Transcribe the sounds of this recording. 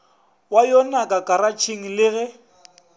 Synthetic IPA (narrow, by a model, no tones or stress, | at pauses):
wajɔnakʼakʼaɾat͡ʃʰiŋ̩lɪɣɛ